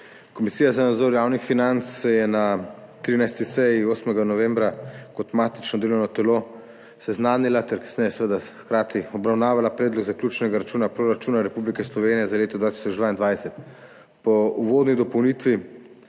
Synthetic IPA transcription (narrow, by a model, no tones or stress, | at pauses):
kɔmisiːjazanad̪zoːɾjaːwnixfinant̪sːɛjɛna | t̪ɾiːnajst̪isɛjioːsmɛɡanɔʋɛ̃mbɾakɔt̪mat̪i̥t͡ʃnɔd̪eːlɔwnɔt̪ɛlo | sɛznaːnilat̪ɛɾkḁsnɛjɛsʋəd̪axkɾaːt̪iɔbɾawnaːʋalapɾɛːd̪lɔɡzakljuːt͡ʃnɛɡaɾat͡ʃuːnapɾoɾat͡ʃuːnaɾɛpublikɛslɔʋeːnijɛzaleːt̪ɔd̪ʋaːt̪i̥sɔd͡ʒd̪ʋaːind̪ʋajsɛt̪ | pɔuʋoːd̪nid̪ɔpɔwnit̪ʋi